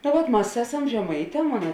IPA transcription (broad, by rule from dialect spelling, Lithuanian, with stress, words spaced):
noː ˈʋɐt ˈmɐs ˈæːˌsɐm ʒʲɛˈmɐɪˌtʲɛː ˈmoːnɐ